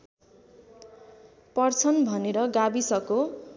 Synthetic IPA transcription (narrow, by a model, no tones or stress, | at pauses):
pʌrt͡sʰʌnbʱʌneɾʌɡabisʌko